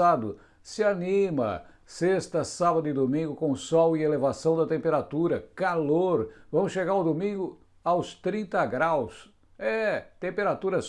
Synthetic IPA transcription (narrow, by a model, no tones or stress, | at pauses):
ad̪ʊ | sɪanĩmɐ̰ | sest̪ɐsabɐd̪ʊɪd̪omĩŋɡʊkõsɔwɪelevasɐ̃w̃d̪ɐt̪ẽmpeɾat̪uɾɐkaloɾvɐ̃mʊsʃeɡaɾawd̪omĩŋɡʊ | awst̪ɾĩnt̪ɐɡɾaws | ɛt̪ẽmpeɾat̪uɾɐs